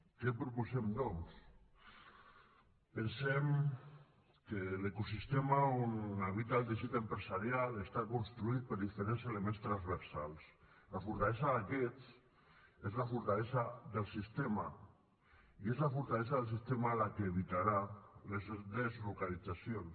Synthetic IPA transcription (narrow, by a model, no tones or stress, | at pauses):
kepɾupusemd̪ɔms | pensem | kelekusist̪emaonaβ̞it̪ald̪eʃit̪empɾesaɾjalest̪akonst̪ɾuit̪̚pəɾðifeɾenselemẽnst̪ɾanzβeɾsals | lafuɾt̪alesaðakɛt̪t͡s | ezlafuɾt̪alesaðelˠsist̪ema | iezlafuɾt̪alesaðels̬ist̪emalakeːβit̪aɾalezðezlukalit͡sasjons